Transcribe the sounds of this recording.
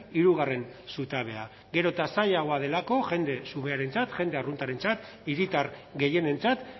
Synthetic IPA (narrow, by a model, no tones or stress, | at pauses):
iɾuɣ̞are̞nsut̪aβe̞a | ɡe̞ɾo̞t̪asajaɣ̞o̞aðe̞lako̞ʝe̞nd̪e̞sume̞aɾe̞nt͡sat̪ʝe̞nd̪e̞arunt̪aɾe̞nt͡sat̪ | iɾit̪aɾɡe̞je̞ne̞nt͡sat̪